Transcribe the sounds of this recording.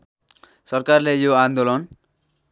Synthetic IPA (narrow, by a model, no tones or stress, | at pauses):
sʌrkarlejoand̪olʌn